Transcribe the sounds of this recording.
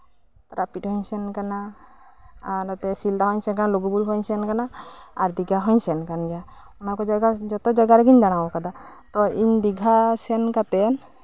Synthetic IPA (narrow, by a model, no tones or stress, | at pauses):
t̪ɾapiʈhɔɲsɛnkana | dat̪ɛsild̪aɦɔɲsɛnkanaloɡubulɦɔɲsɛnkanaaɾd̪iɡʱaɦɔɲsɛnkanɡia | unakɔd͡ʒaɡad͡ʒɔt̪ɔd͡ʒaɡaɾɛɡiɲd͡ʒaɽ̃abɔkad̪a | t̪ɔiɲd̪iɡʱasɛnkat̪ɛn